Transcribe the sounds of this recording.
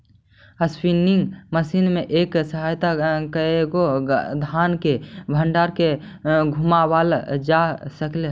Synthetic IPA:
əspinɪŋɡməsinmeʔeːksəɦaːjt̪akəeɡod̪ʱaːnkebʱəɳɖaɾke | ɡʱumabald͡ʒasəkle

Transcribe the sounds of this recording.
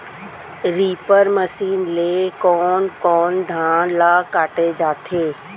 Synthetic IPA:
ɾiːpəɾməsiːnleːkɔːnkɔːnd̪ʱãːnlaːkaːʈed͡ʒaːt̪ʰeː

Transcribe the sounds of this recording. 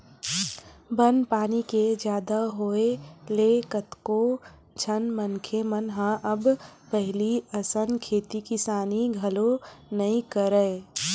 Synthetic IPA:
bənpaːniked͡ʒjaːd̪aɦoːelekət̪ko | d͡ʒʰʱənmənkʰemənɦãʔɐbpəɦɪliəsənkʰeːt̪ikɪsaːniɡʱɐlonɐĩkəɾəe

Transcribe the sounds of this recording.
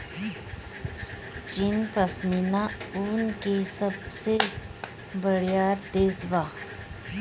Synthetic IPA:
t͡ʃinpəsminauːnkesəbse | bəɽjaːɾt̪eːsbaː

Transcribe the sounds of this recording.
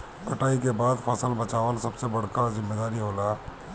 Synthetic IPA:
kʰɐʈaːikebaːd̪fʰɐsəlbɐt͡ʃaːʋəlsɐbsebɐɽ̤kazɪ̃mːeːd̪aːɾiɦoːlaː

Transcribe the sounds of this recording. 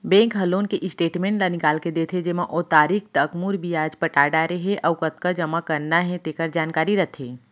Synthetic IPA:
bɛ̃ːŋkɦɐloːnkeʔɪsʈeːʈmẽːɳʈlanɪkaːlked̪eːt̪ʰed͡ʒemãʔot̪aːɾikt̪əkmuɾbʱiaːd͡ʒpɐʈaːɖaɾeɦeʔɔwkɐt̪̚kad͡ʒɐmakəɾnaɦɛ̃t̪eːkəɾd͡ʒaːnkaːɾiɾɐt̪ʰeː

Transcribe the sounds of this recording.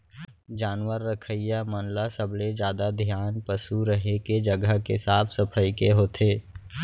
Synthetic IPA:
d͡ʒaːnwəɾːəkʰəjjamənlasəbled͡ʒjaːd̪ad̪ʱjaːnpəsuɾəɦeked͡ʒəɡəɦkesaːpʰsəpʰəikeɦoːt̪ʰeː

